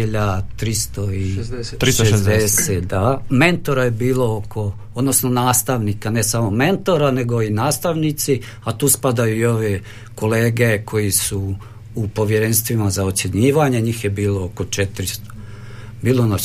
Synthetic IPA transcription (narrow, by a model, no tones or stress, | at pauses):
iʎadt̪ɾist̪oiʃed̪eset̪d̪ame̞nt̪o̞ɾajebiːlo̞okʰo̞ | od̪nosno̞naːst̪aʋnikane̞samo̞me̞nt̪o̞ɾane̞ɡo̞inaːst̪aʋnit̪si | at̪uːspad̪ajuio̞ʋe | ko̞leːɡekʰo̞jisuː | po̞ʋje̞ɾe̞nst̪ʋimazao̞t̪sjeɲiːʋaɲe̞ɲiːxje̞biːlo̞oko̞t͡ʃet̪ɾist̪o̥ | biːlona